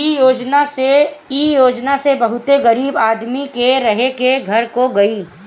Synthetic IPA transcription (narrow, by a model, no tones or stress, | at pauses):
ijoːd͡ʒnaseiːjoːd͡ʒnasebɐɦʊt̪eɣɐɾiːbaːd̪mikeɾɐɦekeɡʱɐɾkoɡɐiː